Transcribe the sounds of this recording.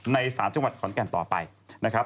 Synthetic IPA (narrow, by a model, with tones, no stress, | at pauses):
na˧jsaː˩˦nt͡ɕa˧ŋwa˨˩t̪̚kʰɔ˨˩˦nkɛ˧˩nt̪ɔː˨˩pa̰˧j | na˦˥kʰɾa˦˥